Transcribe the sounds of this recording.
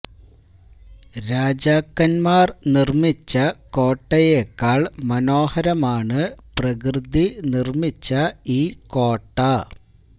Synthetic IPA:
ɾaːd͡ʑaːkːɐnmaːrnirmit͡ɕːɐko̞ːʈːɐjekːaːɭmɐno̞ːhɐɾɐmaːɳɨprɐkrɨd̪ʱinirmit͡ɕːɐiːko̞ːʈːɐ

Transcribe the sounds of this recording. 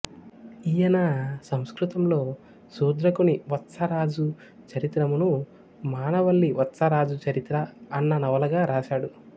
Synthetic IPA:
ijɐnɐsɐmskɾut̪ɐmlo̞ː | suːd̪ɾɐkuniʋɐt̪sɐɾaːd͡ʒu | t͡ʃɐɾit̪ɾɐmunu | maːnɐʋɐɭːiʋɐt̪ːsɐɾaːd͡ʒut͡ʃɐɾit̪ɾɐɐnːɐnɐʋɐlɐɡaːɾaːʃaːɽu

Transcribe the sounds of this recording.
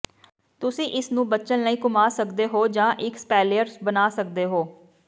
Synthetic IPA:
t̪ʊsĩːʔɪsnũːbəːʃənnəĩːkʊmaːsəkd̪eːɦoːd͡ʒãːʔɪkspɛːlijəɾsbənaːsək̚d̪eːɦoː

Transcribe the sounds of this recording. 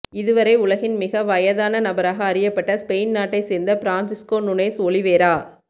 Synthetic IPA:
ɪðɯʋɐɾɐɪʊlɐɣɪnmɪɣɐʋɐjɐðaːnɐnɐbɐɾaːɣɐːɾɪjɐpːɐʈːɐspejnnaːʈːɐɪseːɾnd̪ɐfɪɾaːnsɪskoːnʊnɐɪsoːliʋeːɾaː

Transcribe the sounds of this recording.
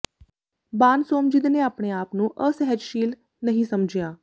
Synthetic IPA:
baːnsoːmd͡ʒɪd̪neːaːpɳeːaːpnũːʔəsɛɦəd͡ʒʃiːl | nəɦĩːsəmd͡ʒɪjaː

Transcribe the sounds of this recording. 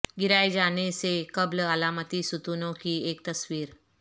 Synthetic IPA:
ɡiɾajd͡ʒanesekəbləəlamət̪isut̪unõkieːk̚t̪əsʋiːɾ

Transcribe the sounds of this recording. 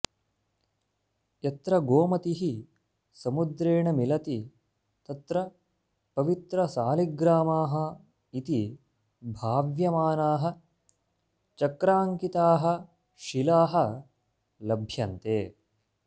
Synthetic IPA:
jɐt̪ɾɐɡoːmɐt̪iɦi | sɐmud̪ɾeːɳɐmilɐt̪i | t̪ɐt̪ɾɐ | pɐʋit̪ɾɐsaːliɡɾaːmaːɦɐ | it̪i | bʱaːʋjɐmaːnaːɦɐ̆ | t͡ʃɐkɾaːŋkit̪aːɦɐ̆ | ʃilaːɦɐ̆ | lɐbʱjɐnt̪eː

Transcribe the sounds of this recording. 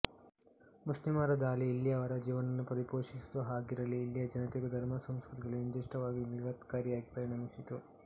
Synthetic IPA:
muslimaːɾɐd̪aːliːlːjɐːʋɐɾɐd͡ʒiːʋɐnɐnːupɐɾipoːʂist̪uɦaːɡiɾɐlːiːljɐd͡ʒɐnɐt̪iɡud̪ʱɐɾmɐsɐmskɾut̪iɡɐɭiɐnd̪iʂʈɐʋaːɡimiɡat̪kaːɾjaːɡipɾɐɾiɳɐmisit̪u

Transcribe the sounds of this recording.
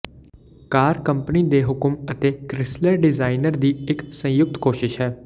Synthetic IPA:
kaːɾkəmpniːd̪eːɦʊkəmət̪eːkɾɪsləɾɖɪzaːɪnəɾd̪iːɪksə̃jʊk̚t̪koːʃɪʃɦɛː

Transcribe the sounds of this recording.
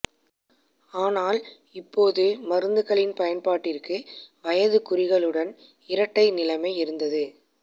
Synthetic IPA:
aːnaːl | ɪpːoːðɯmɐɾɯnd̪ɯɣɐɭɪnpɐjɐnpaːʈːɪrkɯʋɐjɐðɯkʊɾɪɣɐɭɯɽɐn | ɪɾɐʈːɐɪnɪlɐmɐɪɪɾɯnd̪ɐðɯ

